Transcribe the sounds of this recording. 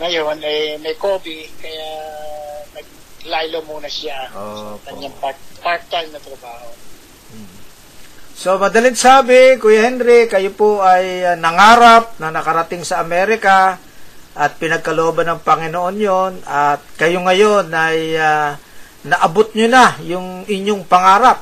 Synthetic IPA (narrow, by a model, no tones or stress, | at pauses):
ŋɐjonɐjmɐjkoːbikɐja | nɐɡ̚ | lajlomuːnɐsɪaoskɐɲjaŋpapaɾt̪ɐlnɐt̪ɾɐbaːho | m̩ | so̞mɐd̪ɐlɪŋsaːbɪkojahɛnɾɪkɐjopoʔɐjnɐŋaːɾap̚nɐnɐkɐɾɐt̪ɪŋsɐʔɐmɛːɾɪka | ʔɐt̪̚pɪnɐɡ̚kɐloobɐnɐŋpɐŋɪnoʔo̞njo̞nɐt̪̚kɐjoŋɐjo̞nɐja | nɐʔɐbot̪̚ɲonɐjʊŋɪɲːoŋpɐŋaːɾap̚